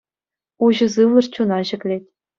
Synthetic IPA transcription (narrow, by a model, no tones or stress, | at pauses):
uʑɤ̆zɯʋlˠɤ̆rt͡ɕunɑʑɘ̆kʲlʲetʲ